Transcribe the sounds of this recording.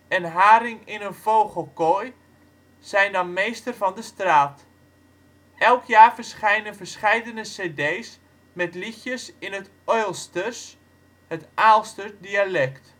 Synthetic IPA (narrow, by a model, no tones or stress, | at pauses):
ɛnɦaːɾɪŋɪnənvowχəlˠkɔj | sɛjndɑnmejstərvɑndəstraːt | ʔɛlˠkʰjaːrvərsχɛjnənvərsχɛjdənəseːdejs | mɛtlixjəsɪnɦət | ɔjlˠstəs | hətʔaːlˠstədialɛkt